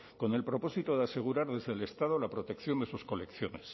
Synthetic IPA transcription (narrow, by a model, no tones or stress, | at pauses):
ko̞ne̞lpɾo̞po̞sit̪o̞ðe̞ase̞ɣ̞uɾaɾðe̞zðele̞st̪aðo̞lapɾo̞t̪e̞kθjo̞nd̪e̞susko̞le̞kθjo̞nes